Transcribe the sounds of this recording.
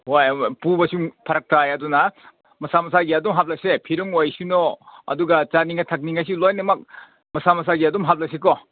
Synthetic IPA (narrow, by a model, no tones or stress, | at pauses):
hojpubɐsuŋpʰɐɾɐk̚tʰajɐdunɐ | mɐsamɐsaɡiɐdumɦap̚lajsepʰiɾuŋojsunoɐ̰duɡat͡ʃaniŋɐtʰɐk̚niŋas̬ilojnɐmɐk̚ | mɐsamɐs̬aɡiɐdumɦap̚lɐjsekɔ